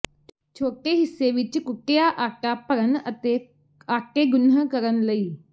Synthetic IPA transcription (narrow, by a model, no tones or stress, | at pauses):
t͡ʃʰoːʈeːɦɪsːeːʋɪt͡ʃkʊʈejaːʔaːkaːpəɾənət̪eː | aːkeːɡʊnəkəɾənləiː